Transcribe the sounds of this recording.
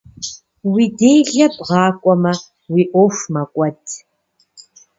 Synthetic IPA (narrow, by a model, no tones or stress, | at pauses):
wiːdeːjɮɐbʁɑːkʷʼɔmɐ | wiːʔʷoʂmɐkʷʼɔtʰ